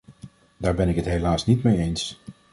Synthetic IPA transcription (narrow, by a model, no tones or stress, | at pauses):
daːɹbɛnɪkətɦelaːsnitmejejns